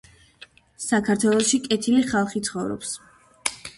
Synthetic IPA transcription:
sakʰaɾt̪ʰwɛlˠɔʃikʼɛt̪ʰiliχalˠχit̪sʰχɔvɾɔ̰ps

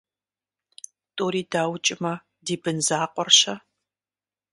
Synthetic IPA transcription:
tʼoːɾiːdaːwt͡ʃʼɪmɐ | diːbɨnzaːqʷʼɔrɕɐ

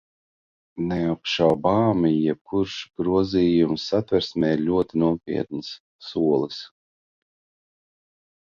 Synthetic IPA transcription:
nɛapʃawbaːmijɛb̚kʰuɾʃɡ̥ɾuɔziːjumsːat̪vɛɾsmɛːiɾlʲuɔt̪inuɔpʲḭɛt̪̚nɨsː | uɔlˠɨs

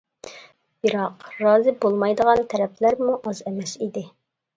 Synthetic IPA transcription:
biɾɑqɾɑːzɪbolˠmɑjd̪əʁɑnt̪ʰɛɾɛplæɾmuʔɑzɛmɛsid̪ɪ

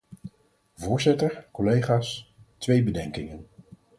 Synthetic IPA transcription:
vʊːɹzɪtəɹkɔlejχaːstʋejbədɛŋkɪŋən

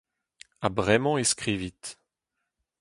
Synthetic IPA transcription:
abʁɛmɑ̃eskχivit̪

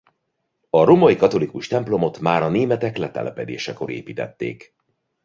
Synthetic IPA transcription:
ɒɾo̞mojikɒt̪o̞likuʃt̪ɛmplo̞mo̞t̪maːɾɒneːmɛt̪ɛklɛt̪ɛ̰lʔɛpɛd̪ḛːʃɛko̞ɾḛːpiːt̪ɛ̰t̪ːḛːk

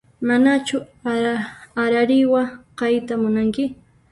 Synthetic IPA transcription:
manat͡ʃʊ | aɾaɾɪwaqɑjt̪amʊnaŋkɪ

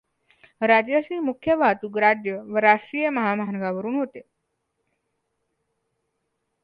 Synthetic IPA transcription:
ɾad͡ʑjaɕiːmukʰjəʋʱat̪uɡɾad͡ʑjəʋəɾaʂʈɾijəməɦamaɦanəɡaʋəɾuːnɦot̪e

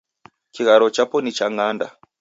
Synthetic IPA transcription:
t͡ʃiɣaɾɔt͡ʃapɔnit͡ʃaŋanda̰

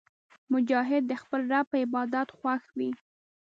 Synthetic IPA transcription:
mʊd͡ʒɑɦɪd̪̚ːəxpəlɾapəɪbɑd̪at̪xwaxwi

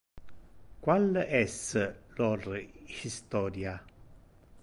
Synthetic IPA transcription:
kwalɛsːəlɔrhist̪ɔːɾja

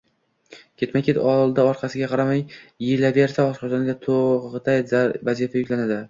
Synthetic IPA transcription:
kʲʰe̞t̪majkʲʰet̪ɒlˠd̪aɒɾqʰɑsɪɡʲaqʰɑɾamajːɪlabe̞ɾsaɒʃqɒd͡ʒɒnɡʲat̪ʰoʁɨt̪ʰajzvazifajʊkʲlanad̪ɪ

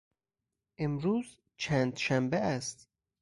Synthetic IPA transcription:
ʔemɾuːz | t͡ʃʰænd̪ʃæmbeæst̪

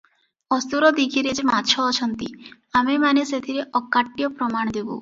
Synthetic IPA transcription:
ɔst̪uɾɔd̪ikʰiɾed͡ʒmat͡ʃʰɔːt͡ʃʰɔnt̪ḭ | amemaneset̪ʰiɾeʔɔkːaʈːijɔpɾɔmaɽ̃ɔd̪ibṵ

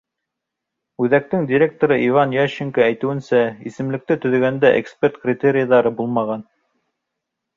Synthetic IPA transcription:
ʉðæk̚t̪ɘŋdʲɪɾʲe̞k̚t̪oɾɤʔivɑnjæɕiŋkaæjt̪ɘ̆wɘ̆nsæisɘ̆mlɘ̆k̚t̪ɘt̪ɵ̆ðɘ̆ɡænd̪æʔḛkspʲert̪krʲɪt̪ʲeɾʲɪjəðɑɾɤbulˠmɑʁɑn

